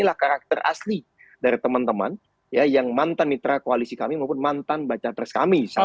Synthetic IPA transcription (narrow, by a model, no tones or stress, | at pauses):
ilahkaɾak̚t̪əra̰sli | daɾit̪əmant̪əma̰n | jajaŋmant̪anːit̪ɾakoalisikamimaupʊnmant̪anbat͡ʃat̪ərsə̥ka̰misa